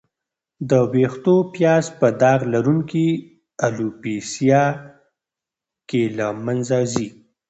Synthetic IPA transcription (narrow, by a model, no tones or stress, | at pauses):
d̪əwext̪opjɑzpəd̪ɑɣlaɾuŋki | alupesjɑ | kelamanzazi